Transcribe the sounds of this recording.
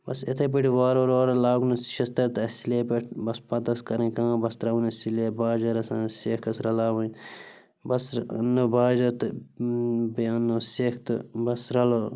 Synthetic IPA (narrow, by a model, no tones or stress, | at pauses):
bɐset̪ʰep̬iʈʰiʋaːɾoɾoːɾɐlaːɡnɐsʃɐst̪ɐɾt̪ɐsileːpeʈʰbɐspɐt̪ɐskɐɾẽːkãːbɐst̪ɾɐwnɐsileːbaːd͡ʒɐɾɐsɐnseːkʰɐsɾɐlaːʋɐ̃ | bɐsnːobaːd͡ʒɐɾt̪ | beɐnːoseːkʰt̪ɨ̰bɐsɾɐlo